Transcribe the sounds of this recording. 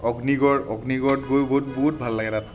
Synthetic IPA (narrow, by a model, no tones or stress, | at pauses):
ɔɡniɡɔɹɔɡniɡɔɹdɡojboɦutboɦut̚bʱallaɡɛtat